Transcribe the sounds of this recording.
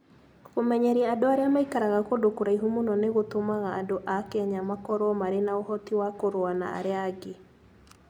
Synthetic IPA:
ɣomɛɲɛɾiaadoaɾeamaikaɾaɣakodokoɾaiɦomunɔneɣotomaɣa̰ːdoʔakɛɲamakɔɾɔmaɾenaohɔtiwakoɾoana̰a̰ɾeaɡe

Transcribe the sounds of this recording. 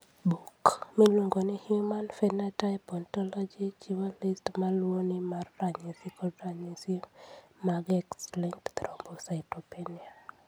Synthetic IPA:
bukmilwuŋɡonɪhimanfɛnatapɔntɔlɔd͡ʒit͡ʃiwolistmalwonɪmarːaɲesikɔdɾaɲesimaɡɛksliŋkt̪ɾɔmbosaɪtopenia

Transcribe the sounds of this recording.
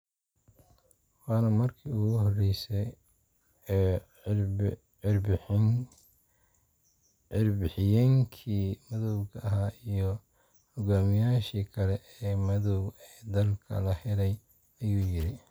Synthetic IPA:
wɑːnɐmɐrkʰiːʊɣʊhɔrɛjsɛjː | ɪrb | ɪrbɪħɪjaːŋkʰiːmɐðɔwɣɐɐɦaːijɞ | hɔɣaːmɪjaːʃiːkʰɐlɛʔɛːmɐðɔwɛːd̪ɐlkʰɐ̰lɐhɛlɛj | ɐjuːjɪɾɪ

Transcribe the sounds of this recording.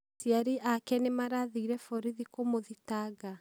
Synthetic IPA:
siaɾiʔakɛnemaɾaðiːɾɛfɔɾiðikomoðitaɡa

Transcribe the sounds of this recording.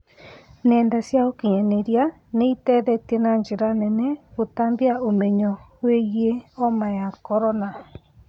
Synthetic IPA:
nẽnd̪asiaokiɲɛ̃nẽɾia | nẽit̪ɛðɛt̪ienãnd͡ʒiɾanɛ̃nɛ̃ut̪ambiaomẽɲɔ̃hwejeomãjakoɾonã

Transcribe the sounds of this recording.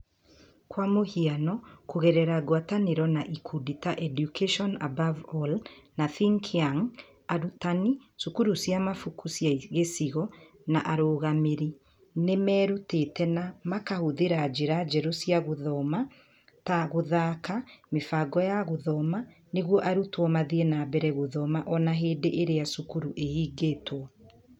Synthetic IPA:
kwamohianɔkoɣɛɾɛɾaɣwataneɾɔnaʔikʰuditaʔɛdjukɛʃɔnabavɔlnaθiŋkʰaŋ | aɾutanisukuɾusiamafukusjaɣesiɣɔ | naʔaɾoːɣameɾi | nemɛːɾutetɛnamakahoðeɾad͡ʒeɾad͡ʒɛɾosiaɣoðɔma | taɣoðakamefaɡɔjaɣoðɔma | neɣwɔʔaɾutwɔmaðienaːbɛɾɛɣoðɔmaʔɔnaɦeːdeʔeɾeasukuɾuʔehiːɡeːtwɔ

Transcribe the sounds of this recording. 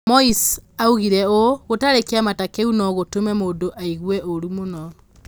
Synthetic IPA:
mɔisauɣiɾɛoɣotaɾekeamatakeunɔɣotomɛmoːndoʔaiɣwɛʔoɾumonɔ

